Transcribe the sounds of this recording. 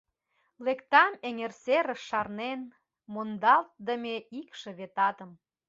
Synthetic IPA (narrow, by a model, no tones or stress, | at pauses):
lekt̪ɑmeŋerseɾəʃːɑrnen | mond̪ɑlt̪̚d̪əmʲeikʃĕβet̪ɑt̪ə̆m